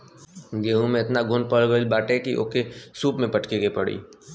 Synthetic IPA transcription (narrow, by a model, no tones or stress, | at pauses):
ɡeːũmẽɪt̪naɡʱʊnpəɭɡəlbaːʈekiʔo̰ːkesuːpmẽpɐʈkekepɐɽḭː